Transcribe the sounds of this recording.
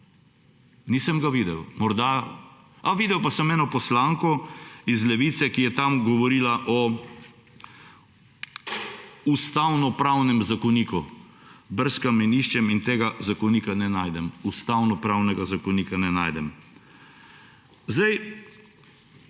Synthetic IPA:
niːsəmɡaʋid̪ɛwmɔɾd̪a | aʋiːd̪ɛwpasəmɛːnɔpɔslaːŋkɔizlɛʋiːt̪sɛkijɛt̪amɡɔʋɔɾiːlaʔɔ | ust̪awnɔpɾawnɛmzakɔniːku | bəɾskamɛniːʃt͡ʃɛmint̪eːɡazakɔniːkanɛnaːjd̪ɛmust̪awnɔpɾawnɛɡazakɔnikanɛnaːjd̪ɛm | zd̪aj

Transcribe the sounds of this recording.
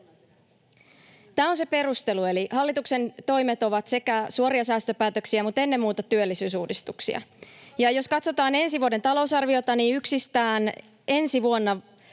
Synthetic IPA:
t̪æːonse̞pe̞rust̪e̞lue̞liɦɑlːit̪ukse̞nt̪o̞jmet̪o̞ʋɑt̪se̞kæsuoɾiɑsæːst̪ø̞pæːt̪øksiæmut̪enːemmuːt̪ɑt̪yølːisyːsuːdist̪uksḭɑ̰jɑjo̞skɑt̪so̞t̪ɑːne̞nsiʋuodent̪ɑlo̞usɑrʋio̞t̪ɑniːyksist̪æːn | e̞nsiʋuonːɑ

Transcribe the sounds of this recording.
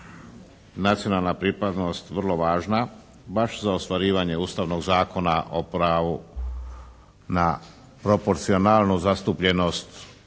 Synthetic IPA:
nat̪sijo̞nalˠnapɾipad̪no̞st̪ʋr̩lˠo̞ʋaːʒna | baʃzaost̪ʋaɾiːʋaɲe̞uːst̪aʋno̞ɡzaːko̞naʔopɾaːʋu | na | pɾo̞po̞ɾt̪sionaːlˠnuzast̪upʎe̞no̞st̪

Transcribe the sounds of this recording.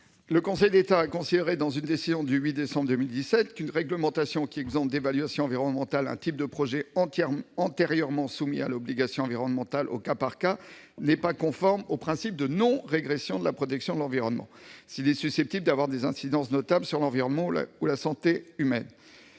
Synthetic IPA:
ləkɔ̃sɛjd̪et̪aːkɔ̃sid̪eʁed̪ɑ̃zynd̪esizjɔ̃d̪yɥid̪esɑ̃bʁd̪ømild̪isɛt̪kynʁɛɡləmɑ̃t̪asjɔ̃kʲiɛɡzɑ̃pd̪evalɥasjɔ̃ɑ̃viʁɔnmɑ̃t̪alɛ̰̃t̪ip̚d̪əpχɔʒɛɑɑ̃t̪eʁjœʁmɑ̃sumḭa̰lɔbliɡasjɔ̃ɑ̃viʁɔnmɑ̃t̪alʔo̰kapaʁka | nɛpakɔ̃fɔʁmopχɛ̃sip̚d̪ənɔ̃ʁeɡʁesjɔ̃d̪əlapχɔt̪ɛksjɔ̃d̪əlɑ̃viʁɔnmɑ̰̃silɛsysɛp̚t̪ibld̪avwaʁd̪ezɛ̃sid̪ɑ̃snɔt̪ablsyʁlɑ̃viʁɔnmɑ̃ulasɑ̃t̪eymɛ̰n

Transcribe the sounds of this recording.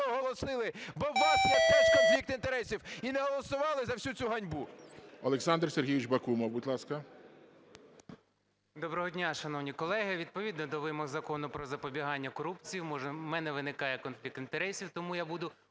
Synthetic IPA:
ɔɦɔlˠɔsɪlˠɪbɔːɑsnɔsɛkɔnflʲik̚t̪ɪnt̪eɾɛsʲiwinɛɦɔlˠɔsʊʋɑlˠɪzɐwsʲut͡sʲuɦɐnʲbuɔlˠeksɑnd̪rsʲerɦʲijʋɪt͡ʃbɐkumɔwbutʲlˠɑskɐ | d̪ɔbɾɔɦɔdʲnʲaʃɐnɔwnʲikɔlˠɛɦɪʋʲid̪̚pɔʋʲid̪nɔd̪ɔʋɪmɔɣzɐkɔnʊpɾɔzɐpɔbʲiɦɑnʲːɐkɔɾupt͡sʲijwmɔʒɛmɛnɛʋɪnɪkɑjɛkɔnfʲlʲik̚t̪ɪnt̪eɾɛsʲiwt̪ɔmujabud̪ʊ

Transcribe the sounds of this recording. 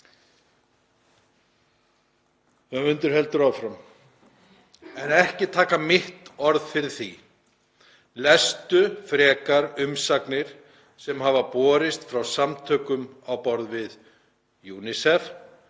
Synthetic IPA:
aʏnt̪ʏɾ̥hɛlt̪ʏɾawfɾam | ɛnɛhcɪt̪ʰaːkamɪht̪ɔɾðfɪɾɪɾ̥θi | lɛst̪ʏfɾɛːkaɾʏmsaknɪɾ̥ | sɛmɦavapɔːɾɪst̪fɾawsamt̪ʰœːkʏmawpɔɾðvɪð | juːnɪsɛf

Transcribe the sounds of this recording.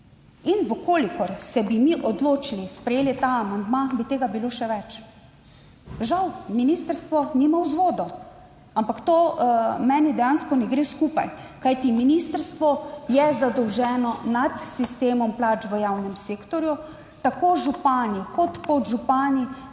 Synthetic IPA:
inʋəkoːlikɔɾsɛbimiʔɔd̪loːt͡ʃilispɾɛjeːlit̪aːmand̪mabit̪eːɡabiloːʃɛʋɛt͡ʃ | ʒawminiːst̪əɾst̪ʋɔnimawzʋoːd̪ɔ | ampakt̪oːmɛːnid̪ɛjanskɔnɛɡɾeːskuːpa̰j | kajt̪iminist̪əɾst̪ʋɔjɛzad̪ɔwʒɛːnɔnat̪sist̪eːmɔmplaːt͡ʃʋəjaːwnɛmseːkt̪ɔɾju | t̪akoːʒupaːnikɔt̪kɔt̪ʒupaːni

